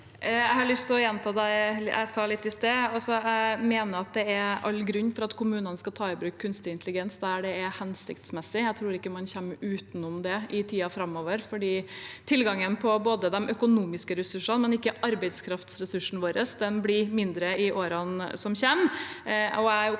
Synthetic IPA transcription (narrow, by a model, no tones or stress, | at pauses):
æɪhɑɭʏst̪ʰɪlɔjɛnt̪ʰɑːd̪æɪæ̰ɪsɑːlɪt̪ːɪst̪eːɑlsɔæɪmeːnəɾɑt̪̚d̪ɛæɾɑ̰lːɡɾʉɲːfɔɾɑt̪kʰʊmʉːnənskɑt̪ʰɑːɪbɾʉːkʰːʉnst̪ɪɪnt̪lɪɡɛnsd̪ɛæɖɛɛhɛnsɪkt̪smɛsːɪæɪt̪ʰɾuːɾɪkːəmɑnçɛmːʔʉːt̪nʊmd̪ɛʔɪt̪ʰiːɑfɾɑmːoːʋəɾfɔɖiːt̪ʰɪlɡɑŋənpʰɔboːd̪əd̪ɛmʔœkʊnuːmɪskəɾɛsʉʂɑnmɛnɪkːəʔɑɾbɛɪd̪skʰɾɑft̪sɾɛsʉʂn̩ʋoːɾəsd̪ɛnblɪmɪnd̪ɾəɪʔoːɾɑnsɔmçɛm | ɔæ